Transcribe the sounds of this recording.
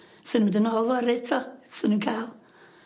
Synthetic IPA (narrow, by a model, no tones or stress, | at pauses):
sənũədənɔlˠvɔɾɪtʰɔsənuːnkʰajlˠ